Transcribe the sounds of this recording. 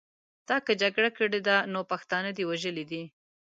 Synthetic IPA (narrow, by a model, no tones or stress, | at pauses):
d̪̥ɑkəd͡ʒaɡɽakəɽed̪anopaxt̪ɑnəd̪iwaʒəlid̪i